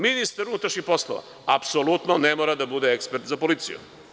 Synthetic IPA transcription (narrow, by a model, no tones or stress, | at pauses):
minist̪aɾunut̪ɾaʃɲixpo̞slˠoʋa̰ | apsolut̪nonemoːɾad̪abud̪eekspeɾt̪zapolit̪sḭjṵ